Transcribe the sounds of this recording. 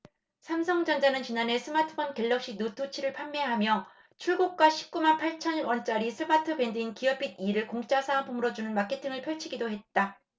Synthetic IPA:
sʰamsʰʌŋd͡ʑʌnd͡ʑanɯnt͡ɕinane̞sʰɯmatʰɯ̥pʰʌnke̞ɭːʌk̚ɕ͈inutʰot͡ɕʰiɾɯɭpʰamːe̞ɦamjʌ | t͡ɕʰuɭɡok̚k͈waɕʰi̥p̚k͈umanpʰaɭt͡ɕʰʌnwʌnt͡ɕ͈aɾisʰɯmatʰɯbe̞ndɯinkiʌpʰid̚iɾɯɭkoŋt͡ɕ͈asʰapʰomɯɾʌd͡ʑunɯnmakʰe̞tʰiŋɯɭpʰjʌɭt͡ɕʰiɡidoɦe̞t̚t͈a

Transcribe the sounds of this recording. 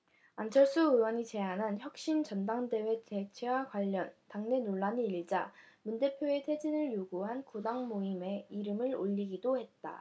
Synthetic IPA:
ant͡ɕʰʌɭs͈uɯwʌɲit͡ɕe̞anɦançjʌk̚ɕ͈int͡ɕʌndaŋde̞we̞te̞t͡ɕʰewaɡwaʎːʌntaŋne̞noɭːaɲiːɭd͡ʑa | munde̞pʰjoe̞tʰe̞d͡ʑinɯɭjoɡuɦankudaŋmoime̞iɾɯmɯɭoʎːiɡidohe̞t̚t͈a̰

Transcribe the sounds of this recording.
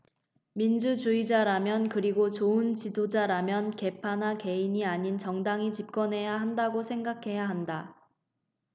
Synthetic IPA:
mind͡ʑut͡ɕuid͡ʑaɾamjʌnkɯɾiɡot͡ɕoɯnt͡ɕidod͡ʑaɾamjʌnke̞pʰanake̞iɲiaɲint͡ɕʌŋdaŋit͡ɕip̚k͈ʌnɦe̞jaɦandaɡosʰe̞ŋɡakʰe̞jaɦanda

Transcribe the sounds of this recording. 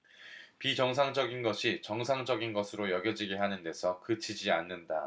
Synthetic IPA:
pit͡ɕʌŋsʰaŋd͡ʑʌɡinɡʌɕʰit͡ɕʌŋsʰaŋd͡ʑʌɡinɡʌsʰɯɾojʌɡjʌd͡ʑiɡeɦanɯnde̞sʰʌkɯt͡ɕʰid͡ʑianːɯnda̰

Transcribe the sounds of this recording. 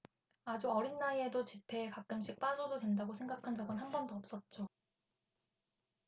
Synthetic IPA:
ad͡ʑuʌɾinːaiedot͡ɕipʰe̞ːkak͈̚ɯmɕ̬͈ʰik̚p͈ad͡ʑododwe̞ndaɡosʰe̞ŋɡakʰand͡ʑʌɡɯnɦanbʌndoʌp̚s͈ʌt̚t͡ɕ͈o

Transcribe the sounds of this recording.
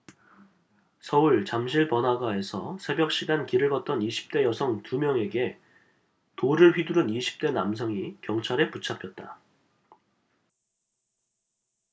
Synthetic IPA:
sʰʌuɭt͡ɕamɕʰiɭpʌnɦaɡwae̞sʰʌsʰe̞bjʌk̚ɕ͈iɡankiɾɯɭɡʌt̚t͈ʌniɕʰi̥p̚t͈e̞jʌsʰʌŋtumjʌŋe̞ɡe̞ | toɾɯɭɸɥiduɾɯniɕʰi̥p̚t͈e̞namsʰʌŋikjʌŋt͡ɕʰaɾe̞put͡ɕʰapʰjʌt̚t͈a̰

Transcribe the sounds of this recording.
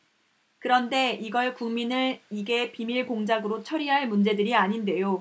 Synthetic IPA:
kɯɾʌnde̞iɡʌɭkuŋminɯɭiɡe̞pimiɭkoŋd͡ʑaɡɯɾot͡ɕʰʌɾiɦaɭmund͡ʑe̞dɯɾiaɲinde̞jo

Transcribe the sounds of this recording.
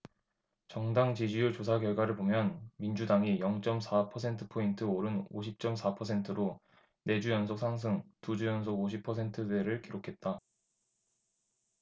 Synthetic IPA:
t͡ɕʌŋdaŋt͡ɕid͡ʑijut͡ɕos̬ʰakjʌɭɡwaɾɯɭbomjʌnmind͡ʑudaŋijʌŋt͡ɕ͈ʌmsʰapʰʌsʰe̞ntʰɯpʰointʰɯoɾɯnoɕʰip̚t͡ɕ͈ʌmsʰapʰʌsʰe̞ntʰɯɾo | ne̞d͡ʑujʌnsʰok̚sʰaŋs̬ʰɯŋtud͡ʑujʌnsʰoɡoɕ̬ʰipʰʌs̬ʰe̞ntʰɯde̞ɾɯɭkiɾokʰe̞t̚t͈a

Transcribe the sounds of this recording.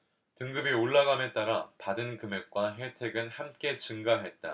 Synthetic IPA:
tɯŋɡɯbioɭːaɡamet͈aɾapadɯnkɯme̞k̚k͈waɦe̞tʰe̞ɡɯnhamk͈e̞t͡ɕɯŋɡaɦe̞t̚t͈a̰

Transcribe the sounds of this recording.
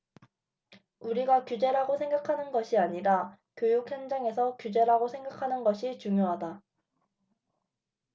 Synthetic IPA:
uɾiɡakjud͡ʑe̞ɾaɡosʰe̞ŋɡakʰanɯnɡʌɕʰiaɲiɾa | kjojukhʌnd͡ʑaŋe̞sʰʌkjud͡ʑe̞ɾaɡosʰe̞ŋɡakʰanɯnɡʌɕʰit͡ɕuŋjoɦada

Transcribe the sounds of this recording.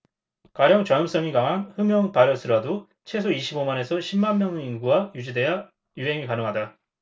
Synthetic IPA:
kaɾjʌŋt͡ɕʌɯms͈ʌŋikaŋanhɯmjʌŋpaɾjʌs͈ʰɯɾado | t͡ɕʰe̞sʰoiɕʰibomane̞sʰʌɕʰimːanmjʌŋinɡuwajud͡ʑide̞a | juɦe̞ŋikanɯŋɦada

